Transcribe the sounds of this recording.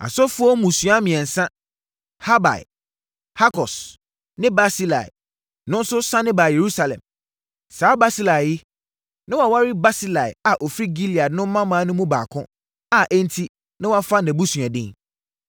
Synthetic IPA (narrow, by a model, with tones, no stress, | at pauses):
a̰˨sɔ˦fʊ˦ɔ˦mũ˨su˨a˦mĩ˨ɛ̃˨n̩˨sã˦ | ha˦ba̰˨ɪ̰˨ | ha˦kʰɔ˨s | nɪ̃˦ba˦si˦la̰˨ɪ̰˨ | nʊ̃˦n̩˦sʊ˦sã˦nɪ̃˦baː˨je˨ɾu˦sa˨lɛ̰̃˨m | saː˨˦ba˦si˦la˨jɪ˦ | nɪ̃˦wa˨wa˦ɾɪ˦ba˦si˦la˨ɪ̰˨a˨ʔɔ˨fɾi˦ɡi˦li˨a˨˦nʊ̃˦m˦mã˦mã˨˦nʊ̃˦mũ˦ba̰ː˨kʰʊ̰̃˦ | a˨ʔɛ̃˦n̩˦tʰi˦ | nã˦wa˦fa˦nɛ̃˨bu˦sɥa˨dɪ̃˦ŋ